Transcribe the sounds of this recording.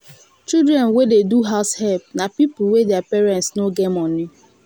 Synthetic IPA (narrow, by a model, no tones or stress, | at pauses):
t͡ʃildɾɛ̃nwededuɦaʊshɛlp̚napip̩wedeapɛɾɛ̃ntsnoɡemɔnɪ